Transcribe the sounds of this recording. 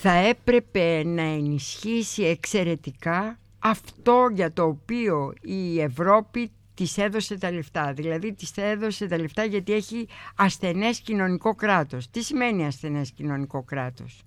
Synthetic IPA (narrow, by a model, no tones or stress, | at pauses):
θɐe̞pɾe̞pe̞nɐenisçisie̞kse̞ɾe̞t̪ikɐ | ɐft̪o̞ʝɐt̪o̞ːpio̞ie̞vɾo̞pi | t̪ise̞ðo̞se̞t̪ɐleft̪ɐðilɐðit̪iseðo̞se̞t̪ɐle̞ft̪ɐʝɐt̪ieçiɐsθe̞ne̞scino̞niko̞kɾɐt̪o̞st̪isime̞niɐsθe̞ne̞scino̞niko̞kɾɐt̪o̞̰s